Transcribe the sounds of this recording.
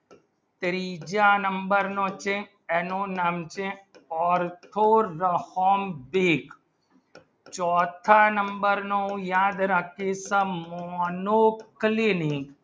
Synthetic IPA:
t̪ɾiːd͡ʒaːnəmbəɾnõt͡ʃẽ | ɛnoːnamt͡ʃẽɔːɾt̪ʰoːɾəhoːmbiːk | t͡ʃɔːt̪ʰaːnəmbəɾnõjaːd̪ɾəkesəmɔːnoːklinik

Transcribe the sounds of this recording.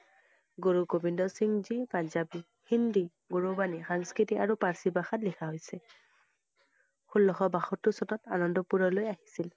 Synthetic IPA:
ɡoɹukobindɔsiŋzipanzabi | hindi | ɡoɹubanixaŋskɹitiaɹupaɹsibaxatlixʰaɦojsɛ | xulːɔxɔbaxɔtːʊsɔtɔtanɔndɔpuɹɔlojaɦisil

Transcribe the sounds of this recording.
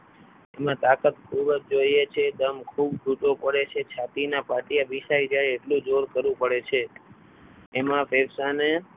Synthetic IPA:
emãt̪akət̪kʰubəd͡ʒd͡ʒoiet͡ʃʰed̪əmkʰubd͡ʒʱuʈopəɽet͡ʃʰet͡ʃʰat̪inapaʈijabiʃajd͡ʒajeʈlũd͡ʒoɾkəɾʋũpəɽet͡ʃʰe | mãfeɾsane

